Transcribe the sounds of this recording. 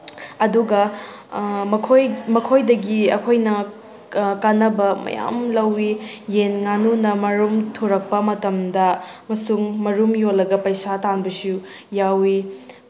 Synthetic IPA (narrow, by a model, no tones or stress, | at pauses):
ɐduɡɐ | ɐkʰojmɐkʰojdɐɡiɐ̰kʰojnɐ | kanɐbɐmɐ̰ja̰mlɐwijenŋanunɐmɐɾumtʰoɾɐk̚pɐmɐtɐmdɐmɐsuŋmɐɾumjolːɐɡɐpɐjsatanbɐsu | jawi